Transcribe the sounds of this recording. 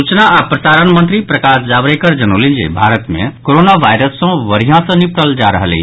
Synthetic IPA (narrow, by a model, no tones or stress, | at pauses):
ut͡ʃnaapɾəsaɾənmənt̪ɾipɾəkasd͡ʒaʋɾekəɾd͡ʒənolĩd͡ʒḛbʱaɾət̪mḛ̃koɾonaʋajɾəsːə̃ʋəɾijãsə̃nipɽəld͡ʒaɾəɦəlḛ